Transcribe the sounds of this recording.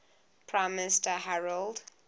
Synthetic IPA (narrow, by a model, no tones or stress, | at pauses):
pʰɹãɪ̃mːɪnɪstəhaɹəld